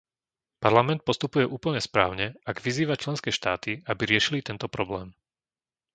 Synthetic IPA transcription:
paɾlamɛnt̪̚pɔst̪upujɛʔuːpl̩ɲɛspɾaːʊɲɛaɡʋiziːʋat͡ʃlɛnskɛːʃt̪aːt̪iabiɾɪɛʃilit̪ɛnt̪ɔpɾɔblɛːm

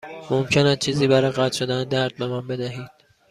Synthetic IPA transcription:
momcʰenæt͡ʃʰiːziːbæɾɒjɣæt̪ʰʃo̞d̪æned̪æɾd̪̥̚be̞mænbe̞d̪æɦiːd̪̥

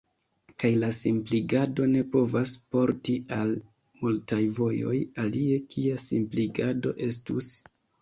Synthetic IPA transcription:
kajlasimpliɡado̞ne̞po̞vaspo̞ɾtial | multajvo̞jo̞̰jalie̞kʰiasimpliɡado̞ʔe̞s̬tus

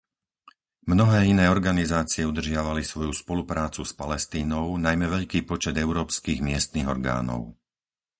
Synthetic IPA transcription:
mnɔɦɛːinɛːɔɾɡanizaːt͡siɪɛud̪r̩ʒɪaʋalisʋɔjuspɔlupɾaːt͡suspalɛst̪iːnɔʊnajmɛʋɛʎkiːpɔt͡ʃɛd̪ɛʊɾɔːpskiːɣmɪɛst̪niːɣɔ̰ɾɡa̰ːnɔ̰ʊ

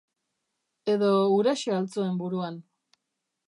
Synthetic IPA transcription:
e̞ðo̞uɾaʃealt͡soe̞mbuɾuan

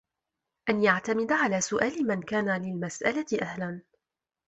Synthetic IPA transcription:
ʔanjaʕt̪amɪd̪ʕalaːsʊʔaːlɪmankaːnalɪlmasʔalaʔahlan

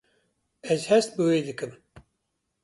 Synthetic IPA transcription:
ɛzhɛst̪̚bɨweːd̪ɨkɨm

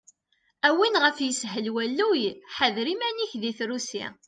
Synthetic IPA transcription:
æwinʁəfjəsɦəlwælːujħəðɾimæniçðiθɾusḭ

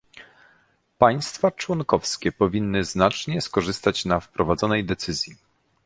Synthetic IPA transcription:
paj̃st̪fat͡ʂwɔnkɔfskʲɛpɔvʲinːɘznat͡ʂɲɛskɔʐɘst̪at͡ɕnafpɾɔvad̪zɔnɛjd̪ɛt̪sɘzʲji

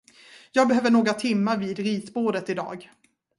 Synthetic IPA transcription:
jɑːɡ̚bɛɦøːvəɳoːɡɾat̪ʰɪmːaɾviːd̪ɾiːsboːɖ̪ət̪ɪd̪ɑ̰ːɡ

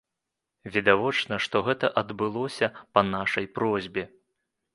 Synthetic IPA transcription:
vʲid̪avɔt͡ʂnɐʂt̪ɔɣɛt̪ɐʔɐd̪bɨlˠɔsʲɐpɐnaʂɐjpɾɔzʲbʲɛ

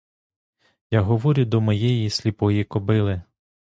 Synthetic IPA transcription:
jaɦɔʋɔɾʲʊd̪ɔmɔjɛjisʲlʲipɔjikɔbɪlˠɪ

